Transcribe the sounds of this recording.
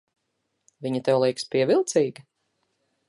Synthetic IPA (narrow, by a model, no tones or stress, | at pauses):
viɲat̪ɛwlˠiɛkspiɛvilˠt̪siːɡi